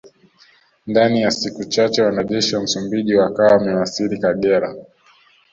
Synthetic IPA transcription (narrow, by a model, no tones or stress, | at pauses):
ndanijasikut͡ʃat͡ʃɛwanaʄɛʃiwam̩sumbiʄiwakawawamɛwasiɾikaɠɛɾa